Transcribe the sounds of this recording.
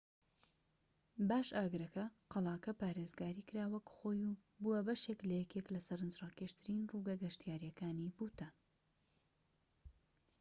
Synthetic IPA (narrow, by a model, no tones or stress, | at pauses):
baːʃaːɡɨɾɐkɐqɑlˠɑːkɐpaːɾezɡaːɾiːkɨɾaːwɐkχo̞ːjubuwɐbɐʃeklɐjɛkeklɐsɐɾɨnd͡ʒrɑːkeʃt̪ʰɨɾinruɡɐɡɐʃt̪ijaːɾjɐkaːnibuːt̪ɐ